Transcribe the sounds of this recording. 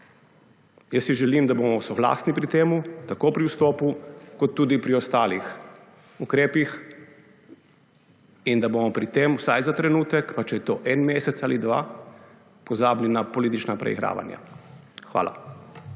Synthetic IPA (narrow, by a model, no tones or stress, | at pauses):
jəsiʒɛliːmd̪aboːmɔsɔɡla̰ːsnipɾit̪eːmut̪akoːpɾiwst̪ɔːpukɔt̪ːuːd̪ipɾiɔst̪aːlix | ukɾeːpix | ind̪aboːmɔpɾit̪eːmwsajzat̪ɾɛnuːt̪ɛkpat͡ʃɛjɛt̪oːʔɛnmeːsɛt̪salid̪ʋa̰ː | pɔzaːblinapɔliːt̪it͡ʃnapɾɛ̰ḭɣɾa̰ːʋa̰nja̰ | xʋa̰ːla̰